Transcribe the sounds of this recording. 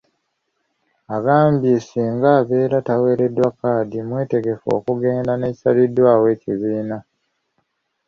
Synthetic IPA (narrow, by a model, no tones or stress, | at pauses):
aɡaːmbjesiːŋɡaːβe̞ːɾatawe̞ːɾe̞dwakaːdimwe̞ːte̞ɡe̞fo̞̰ːkuɡe̞ːndane̞ːci̥salidwaːwe̞ːciβiːna